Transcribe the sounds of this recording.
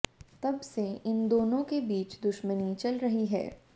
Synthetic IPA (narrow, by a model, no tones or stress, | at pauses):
t̪ɐbseɪnd̪oːnõkebiːt͡ʃd̪ʊʃmənit͡ʃɐlɾɐɦiɦɛ̰ː